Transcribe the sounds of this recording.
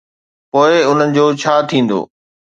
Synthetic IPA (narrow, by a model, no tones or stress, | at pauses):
poːɪʊn̤ənɪ̆d͡ʑoːt͡ɕʰaːt̪ʰĩːn̆d̪o̰ː